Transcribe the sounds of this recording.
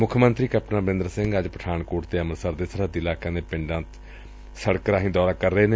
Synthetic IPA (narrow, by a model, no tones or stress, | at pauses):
mʊkʰmənt̪ɾiːkəpnãːbəɾɪ̃nd̪ɾəsɪ̃ŋɡəd͡ʒpəʈʰaːɳkʊːʈt̪eːəməɾsəɾd̪eːsəɾəd̪iːlaːkãːneːpɪɳɖãːt̪ | səɽkɾaːɦĩːd̪ɔːɾaːkəɾːəeːneː